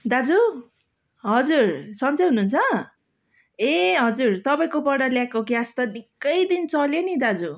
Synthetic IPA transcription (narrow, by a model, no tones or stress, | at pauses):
d̪ad͡zu | ɦʌd͡zursʌnt͡sʌjɦunuunt͡sʰʌ | eɦʌd͡zurt̪ʌpaĩkopʌɽʌljakoɡjast̪ʌnikːʌjd̪int͡sʌljenid̪ad͡zu